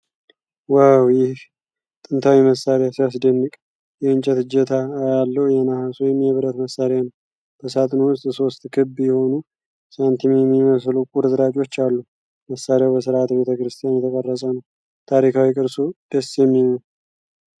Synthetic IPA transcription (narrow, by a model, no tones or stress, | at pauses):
wawjɪh | t̪ʼɨnt̪ʰawiməsaɾejasasd̪ənːɨkʼ | jɛɨnt͡ʃʼɛt̪ɨd͡ʒɛt̪ʰajalːəhujɛnahasujɛmːiəβɨɾət̪məsːaɾejanəw | b̥əsat̪ʼnowʊst̪ʼso̞st̪kʰɨbːjɛho̞nu | sant̪ʰimjɛmːiməslukʼuɾɨzɨɾat͡ʃʼo̞t͡ʃːalːu | məsːaɾejawbəsɨɾʔat̪be̞t̪ʰəkɾɨst̪ʰijanjɛt̪ʰəkʼərːəsʼənəw | t̪ʰaɾikʰawikʼɨɾsud̪̥əsjɛmːion